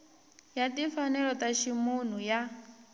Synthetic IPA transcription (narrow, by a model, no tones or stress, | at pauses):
jatifanɛɺɔtaʃimun̤uja